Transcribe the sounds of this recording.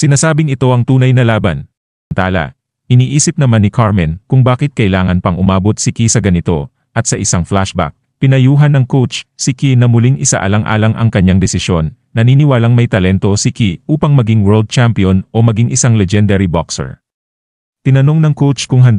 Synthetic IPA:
sɪnaːsaːbɪŋɪt̪o̞ʔɐŋt̪uːnɐjnɐlaːbɐ̰n | nt̪aːlɐ̰ | ʔɪniːʔiːsɪp̚nɐmanːɪkʰaɹmɛnkʊŋbaːkɪt̪̚kɐʔɪlaːŋɐnpɐŋʔʊmaːbot̪̚sɪkisɐɡɐnɪt̪o̞ | ʔɐt̪̚sɐʔɪsaŋflaʃba̰k̚pɪnɐjuːɦɐnːɐŋkowt͡ʃsɪkinɐmʊliŋʔɪsa̰ʔɐ̰lɐŋʔa̰ːlɐŋʔɐ̰ŋkɐɲːaŋd̪ɛsɪʃjo̞nːɐniːnɪwaːlɐŋmɐjt̪ɐlɛnt̪o̞sɪkiʔuːpɐŋmɐɡiŋwɛɹld̪̚t͡ʃampionʔo̞mɐɡiŋɪsaŋlɛd͡ʒɛnd̪ɛɾibaksɛ̰ɹ | t̪ɪnɐno̞ŋnɐŋkowt͡ʃkʊŋɦɐnd̪

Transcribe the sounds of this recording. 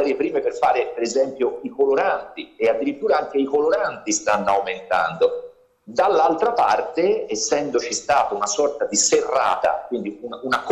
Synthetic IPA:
ɾepɾiːmeperfaːɾepeɾezɛmpjoikoloɾant̪iead̪ːiɾit̪ːuːɾaaŋk̟eikoloɾant̪ist̪anːoawment̪a̰nd̪o | d̪alːalt̪ɾapart̪eːsːɛnd̪ot͡ʃist̪aːt̪aunasɔrt̪ad̪iserːa̰ːt̪a̰kwind̪iununak

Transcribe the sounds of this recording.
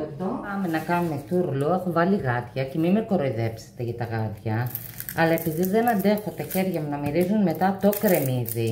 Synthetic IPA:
ed̪opɐmenɐkɐnume̞θuɾluexovɐliɣɐt̪çɐce̞mimeko̞ɾoiðe̞pse̥t̪e̞ʝɐt̪ɐɣɐt̪çɐ | ɐlɐe̞piðizðe̞nɐnd̪e̞xot̪ɐçe̞ɾʝɐmunɐmiɾizunme̞t̪ɐt̪o̞kɾe̞mizi

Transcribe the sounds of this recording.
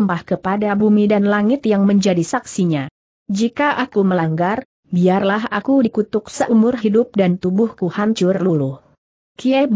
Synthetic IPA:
mbahkəpadabumidanlaŋɪt̪jaŋməɲd͡ʒadisaksiɲa | d͡ʒikaʔakuməlaŋɡar | biarlaɦakudikut̪ʊk̚səʔumʊrɦidʊp̚dant̪ubʊhkuhaɲt͡ʃʊrlulʊh | kiɛb

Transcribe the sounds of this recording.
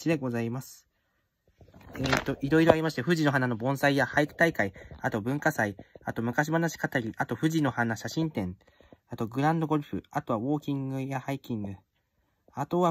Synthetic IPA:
t͡ɕid̪e̞ɡo̞zaimasɨ̥ | eːt̪ːo̞ʔiɾo̞iɾo̞aɾʲimaɕi̥t̪eɸɯ̟ʑino̞ɦanano̞bõ̞ɰ̃saijahaikɯ̟̥t̪aikaiat̪o̞bɯ̟̃ŋkasaiat̪o̞mɯ̟kaɕ̬ibanaɕi̥kat̪aɾʲiʔat̪o̞ɸɯ̟ʑino̞hanaɕaɕĩnt̪ẽ̞ɴ | at̪o̞ɡɯ̟ɾãnd̪o̞ɡo̞ɾɯ̟ɸɯ̟at̪o̞βaβo̞ːkʲĩŋɡɯ̟jahaikʲĩŋɡɯ̟ | at̪o̞βa

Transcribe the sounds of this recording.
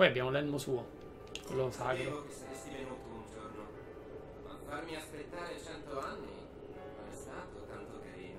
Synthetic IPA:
pɔjabːjaːmolɛlmosuːo | kolːosaːɡɾookeseɾesivenuːt̪ound͡ʒorno | ma̰farmiaspet̪ːaːɾet͡ʃɛnt̪oanːḭ | komɛst̪aːt̪ot̪ant̪okaɾḭːno

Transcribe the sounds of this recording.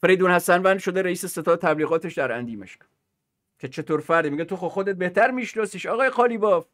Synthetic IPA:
feɾejd̪uːnhæsænvænd̪ʃo̞d̪eɾeiːsese̞t̪ʰɒːd̪et̪ʰæbliːɣɒːt̪ʰeʃd̪æɾæ̰nd̪iːmḛʃk | kʲʰet͡ʃʰe̞t̪ʰoːɾfæɾd̪imiɡet̪ʰoxoxod̪ebe̞ht̪æɾmiːʃnɒːsiːʃɒːɣɒːjexɒːliːbɒːv

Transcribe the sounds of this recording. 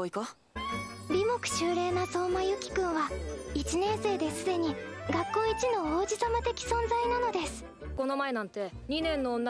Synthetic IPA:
oiko | bʲimo̞kɯ̟̥ɕɨːɾe̞ːnaso̞ːmajɯ̟kʲi̥kɯ̟̃ɰ̃βait͡ɕinẽ̞ɰ̃se̞ːd̪e̞sɨd̪e̞ɲ̟iɡakːõ̞ɰ̃it͡ɕino̞oːd͡ʑisamat̪e̞kʲi̥sõ̞nzainano̞d̪e̞sɨ̥ | ko̞no̞mae̞nãnt̪e̞ | ɲ̟inẽ̞nːoːnː

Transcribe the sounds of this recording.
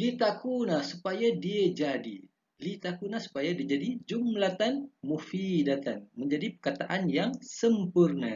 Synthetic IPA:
lit̪akunasupajadiad͡ʒadi | lit̪akunasu̥pajadiad͡ʒadid͡ʒumlat̪anmufidat̪anməɲd͡ʒadipəkat̪aʔanjaŋsəmpurna

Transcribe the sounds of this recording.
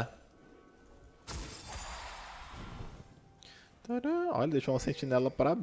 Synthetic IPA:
t̪õɛlɐɔ̰lɐd̪ejʃoũmɐsẽt͡ʃinɛlɐpɾab

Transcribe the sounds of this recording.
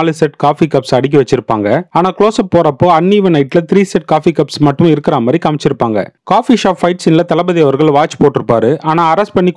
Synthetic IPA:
lɯsɛʈkaːfikɐpsɐɽɪk̬ːiʋɐt͡ʃːɪɾɯpːaːŋɡɐaːnaːkɪɭoːsɐpːoːɾɐpːoːɐɳːiːʋɐnɐɪʈːɪlɐt̪ɪɾiːsɛʈ̚kaːfikɐpsmɐʈːɯ̃ɪɾɯkːɪɾaːmaːd̪ɾikɐmɪt͡ʃːɪɾɯpːaːŋɡɐ̰kaːfiʂaːfɐɪʈsɪnlɐt̪ɐlɐbɐðɪjɐʋɐɾɣɐɭʋaːt͡ʃːɯ̥poːʈːɪɾɯpːaːɾɯʔaːnaːɐɾɐsʈ̚pɐɳːik

